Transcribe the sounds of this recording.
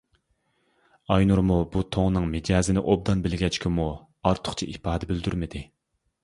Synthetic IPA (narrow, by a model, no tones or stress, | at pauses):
ɑjnuɾmubut̪ʰoŋnɨŋmɪd͡ʒɑːzɪnɪʔob̚d̪ɑnbɪlɡʲɛt͡ʃkʲʰɪmu | ɑɾt̪ʰʊ̥χt͡ʃʰiʔipʰɑːd̪ɛbyld̪yɾmɪd̪ɪ